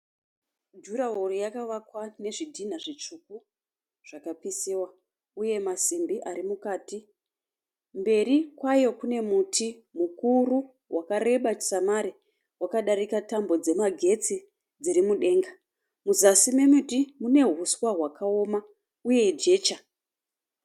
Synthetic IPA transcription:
d͡ʒuɾaɦorojakaʋakwane̞ʐidʱin̤aʐit͡ʂuku | ʐ̥akapisiwa | uje̞masimbiʔaɾimukaːti | mbe̞ɾikwajo̞kune̞mutʰi | mukuru | wʔakare̞ɓat͡ʃi̥samaɾi | wakaɗaɾikatambo̞d͡ze̞maɡʱe̞t͡si | d͡ziɾimuɗe̞ːŋɡa | muzasime̞mutimune̞ɦuswaɦwakao̞ma | uje̞d͡ʒe̞ːt͡ʃa

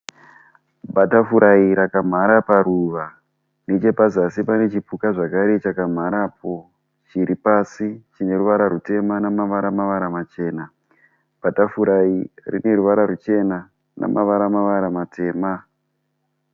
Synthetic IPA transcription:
bʱatafuɾʔaiɾakam̤aɾapaɾuʋa | net͡ʃe̞pazasipane̞t͡ʃipukaʐakaɾe̞t͡ʃakam̤aɾap̚o̞ | t͡ʃiɾipasit͡ʃine̞ruʋaɾaɾute̞manamaʋaɾamaʋaɾamat͡ʃe̞ːna | b̥ʱatafuɾairḭne̞ruʋaɾaɾut͡ʃe̞na | nʔa̰mʔaʋaɾamaʋaɾamatʰe̞ːma

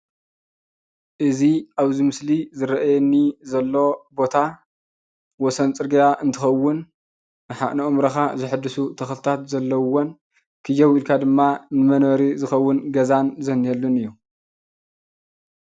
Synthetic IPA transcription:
ʔɨziʔaβzimɨslizɨɾɐʔjɛnːizɐlːo̞bo̞t̪ʰa | wɔsɐnt͡sʼɨɾɡɐjaʔɨnt̪ʰɨxɐwːʊnː | ɨħaʔnɐʔomɾɐxazɨħɨd̪ːɨsut̪ʰɐxlɨt̪ʰat̪zɐlːɐwon | kʰɨjɐwilkʰad̪ɨmːanɨmɐnoɾizɨxɐwːʊnɡɐzanzɐnɛlːunɨjːu

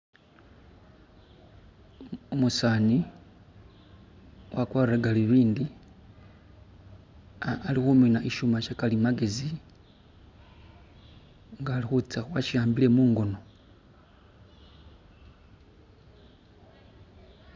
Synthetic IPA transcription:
umusaːni | wakwaɾeraɡaliβiːndi | lixuminaʔiʃumaʃakalimaɡe̞zi | ŋɡaːlixut͡saxwaʃiaːmbile̞muːŋɡo̞no̞

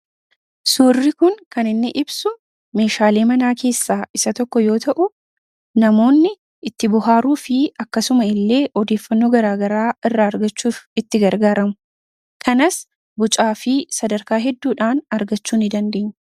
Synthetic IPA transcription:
suːrːɪkʊŋkɐnɪnːɪʔɪbsʊ | me̞ːʃaːle̞ːmɐnaːkʰe̞ːsːaːʔɪsɐt̪ɔkːɔjo̞ːt̪ɐʔʊ | nɐmo̞ːnːɪ | ɪt̪ːɪbʊɦaːɾuːfɪɐkːɐsʊmɐɪlːe̞ːʔɔd̪e̞ːfːɐnːo̞ːɡɐɾaːɡɐɾaːɪrːaɐɾɡɐt͡ʃːuːfɪt̪ːɪɡɐɾɡaːɾɐmʊ̥ | kʰɐnɐs | bʊt͡ʃʼaːfɪsɐd̪ɐɾkaːɦɛd̪ːuːᶑaːnɐɾɡɐt͡ʃːuːnɪd̪ɐnd̪e̞ːɲː

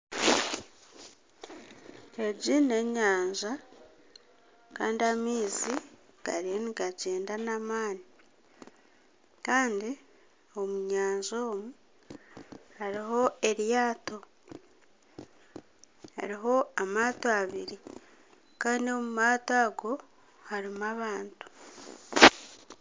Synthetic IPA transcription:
e̞ɟine̞ɲaːɲʒa | kaːndiamiːzi | ɡ̥a̰ɾieniɡaɟeːndanamaːni | kaːndi | o̞muɲaːɲʒo̞ːmu | haɾiɦo̞e̞ɾjaːto̞ | ha̰ɾiɦo̞amaːtoaβiɾi | kaːndio̞mumaːtaːɡo̞ | haɾimaβaːntu̥

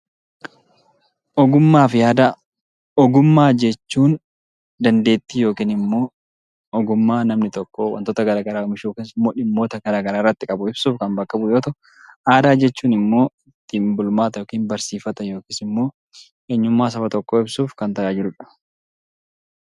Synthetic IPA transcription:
ʔɔɡʊmːaːfɪjaːd̪a | ɔɡʊmːaːd͡ʒɛt͡ʃːuːn | d̪ɐnd̪e̞ːt̪ːiːjo̞ːkiːnɪmːo̞ː | ɔɡʊmːaːnɐmnɪt̪ɔkːowɐ̰nt̪oːt̪ɐɡɐɾaːɡɐɾaːɔmɪʃoːkinsɪmːo̞ːᶑɪmːo̞ːt̪ɐɡɐɾaːɡɐɾaːɪrːɐt̪ːɪkʼɐbʊɪb̥suːfkɐmbɐkːɐbʊjo̞ːt̪ɐʔʊ | ʔaːd̪aːd͡ʒɛt͡ʃːuːnɪmːo̞ːɪt̪ːɪmbʊlʊmaːt̪ɐjoːkiːnbɐɾsiːfɐt̪ɐjo̞ːkiːsɪmːo̞ː | ʔeːɲːʊmːaːs̬ɐfɐt̪ɔkːoːɪbsuːfkɐnt̪ɐʔaːd͡ʒɪɾʊᶑɐ̥

